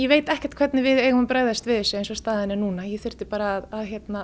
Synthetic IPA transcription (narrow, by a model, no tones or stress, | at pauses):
jɛveːjt̪ɛhcɛ̥t̪kʰvɛt̪nɪvɪðeːjɣʏmʏmpɾaːjðast̪vɪðɪsʏejnsɔst̪aːðɪɪnɪnuːnajɛθʏr̥t̪ɪpaːɾaːðaðçjɛt̪na